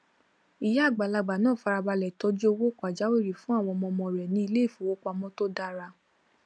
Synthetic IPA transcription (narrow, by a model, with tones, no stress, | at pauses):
i˨ja˦a˦˨ɡ͡ba˨la˧ɡ͡ba˨nãː˦˨fa˧ɾa˧ba˧lɛ˨tɔ˧˦d͡ʒi˦o˧wo˦kɔ˨a˨d͡ʒa˨˦we˦˨ɾi˨fũ˨˦a˦˨w̃ɔ̃˧mɔ̃˧mɔ̃˧ɾɛ˨nĩ˧˦i˧le˦i˦˨fu˨wo˦k͡pa˧mɔ̃˦to˦da˦ɾa˧